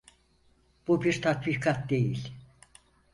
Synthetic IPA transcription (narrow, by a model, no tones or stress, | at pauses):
b̥ubiɾt̪ʰat̪bikʰat̪̚d̪e̞jilʲ